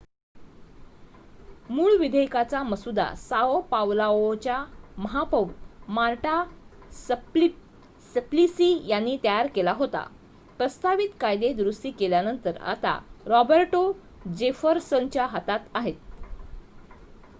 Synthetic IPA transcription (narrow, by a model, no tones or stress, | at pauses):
muːɭʋid̪ʱəjkat͡saməsud̪a̰saopaʋlaʋot͡ɕjaməɦapəʋut̪maɾʈa | s | səplisijanːiːt̪jaɾkelaɦot̪a̰ | pɾəst̪aʋit̪kajd̪ed̪ɾusʈiːkeljanənt̪əɾa̰t̪a̰ɾɔbəɾʈo | d͡ʑefəɾsənt͡ɕjaɦat̪at̪aɦet̪̚